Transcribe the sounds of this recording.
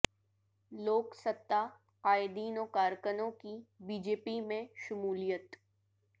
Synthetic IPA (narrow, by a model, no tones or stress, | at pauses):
loːksət̪ːa | aːjd̪iːnoːkaːɾkənõkibiːd͡ʒeːpimẽʃʊmuːlijət̪